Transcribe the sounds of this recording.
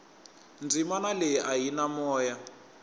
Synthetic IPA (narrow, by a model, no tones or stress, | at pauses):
nd͡zimanaleʔaɦinamɔːja